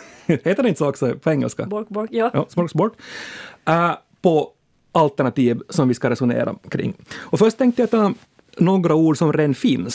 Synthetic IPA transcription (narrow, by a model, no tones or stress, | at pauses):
hɛt̪əɖɛɪnt̪əsɔksɔpʰɔɛŋːə̰lska̰jɑːsmɔkbɔʈ | pʰɔ | ʔalt̪æɳɑt̪iːʋsɔmʋɪskɑɾɛsʊnḛːɾʔa̰kʰɾɪ̰ŋːɔfœʂʈt̪ʰːɛŋkt̪əjat̪ʰɑː | noːɡɾauːɖsɔmɾɛnfiːns